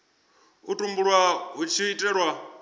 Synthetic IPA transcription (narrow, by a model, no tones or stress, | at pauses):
utʼumbuɺwaɦut͡ʃʰiitʼɛɺwa